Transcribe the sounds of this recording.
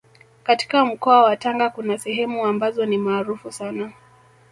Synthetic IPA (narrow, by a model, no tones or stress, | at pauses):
kati̥kam̩kɔawataŋɡakunasɛɦɛmuambazɔnimaːɾufusana